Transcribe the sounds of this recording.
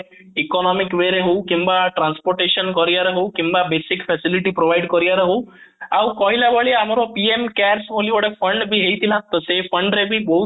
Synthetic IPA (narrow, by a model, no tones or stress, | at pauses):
ikɔnɔmikʋeɾeɦowkimbaʈɾanspɔɾʈeʃɔnkɔɾijaɾeɦowkĩmbabesikpʰɛsiliʈipɾobajɖkɔɾijaɾeɦow | awkɔɦilabɔɭiamɔɾɔpiemkɛɾsɦolibɔɽepʰəɳɖbʱiɦejt̪ʰilat̪ɔsepʰəɳɖɾebʱibɔɦu